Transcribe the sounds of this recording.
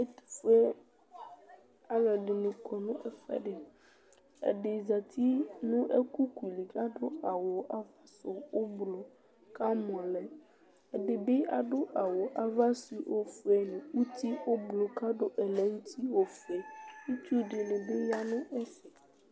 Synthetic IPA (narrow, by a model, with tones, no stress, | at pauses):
e˦t̪u̥˨fe˦ | a˨lɛ˨ɖɪ˨nũ˨kʰɔ˨nũ˦ʔɛ˨fɛ̰˦ɖe˨ | ḛ˨ɖɪ˨za˨t̪ʰi˦nũ˦ʔḛ˦ku˦ku˨i˨li˨ka˦ɖo˦a˨wo˨ʔa˦˨va˦so˨wo˦blo˨ | ka˦mɔ̃˨lɛ˨ | ɛ˨ɖe˨be˦a˨ɖo˦ʔa˨wo˨ʔa˨va˦si˨wʔo˦fɛ˨nũ˨u˦t̪i˦wo˦blo˨ka˦ɖo˦ʔɛ˨lɛ˦wu˦t̪ʰi˦wo˦fɛ˨nũ˦t͡ʃu˦ɖe˨le˨be˦ja˦nũ˦e˦sɪ˨